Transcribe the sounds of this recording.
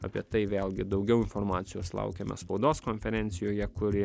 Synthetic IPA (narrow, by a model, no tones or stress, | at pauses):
ɐpʲiɛt̪ɐɪʋʲeːlˠʲɡʲɪd̪ɐʊɡʲɛʊɪnfoɾmɑːt̪sʲɪjoːslˠɑ̰ʊkʲemʲɛ̰spɐʊd̪oːskonʲfʲɛɾʲɛnʲt̪sʲɪjoːjɛkʊɾʲɪ